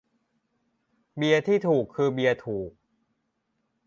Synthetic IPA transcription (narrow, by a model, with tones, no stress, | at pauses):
bi˧ɐt̪ʰiː˥˩t̪ʰuː˨˩kʰːɯː˧bi˧ɐt̪ʰuː˨˩k̚